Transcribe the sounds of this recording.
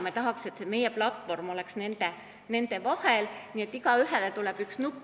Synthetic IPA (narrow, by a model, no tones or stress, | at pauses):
met̪ɑɦɑkse̞t̪seme̞jeplɑt̪ːˑvo̞rmo̞leksne̞nd̪̥e | ne̞nd̪̥e̞vɑhelnie̞t̪ːˑiɡ̥ɑyɦelet̪uleb̥yksnup